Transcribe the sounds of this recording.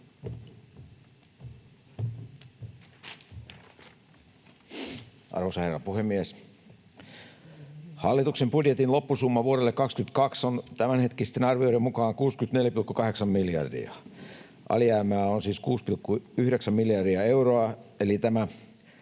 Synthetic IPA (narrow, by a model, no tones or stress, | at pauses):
ʔɑ̰rʋosɑherːɑpuhemːies | hɑlːit̪uksembudjet̪inlo̞pːusumːɑʋuoɾelːekɑkskynt̪kɑksont̪æmænhet̪kist̪ːenɑrʋioɾemmukɑːŋkuːskyt̪ne̞ljæpilkːukɑɦe̞ksɑmmiljɑ̰rdḭɑ̰ | ʔɑ̰lijæːmæːonsiːskuːspilkːuyhɾeksæmmiljɑrdiɑe̞wroɑelit̪æmæ